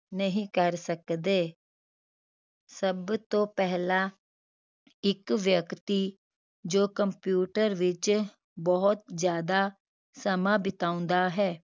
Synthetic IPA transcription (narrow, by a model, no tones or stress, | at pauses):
nəɦĩkəɾsəkd̪eː | səbt̪õːpɛɦlaː | ɪkʋjəkt̪iː | d͡ʒoːkəmpjuːʈəɾʋɪt͡ʃ | bɔɦʊt̪̚zjaːd̪aː | səmãːbɪt̪aːʊ̃nd̪aːɦɛː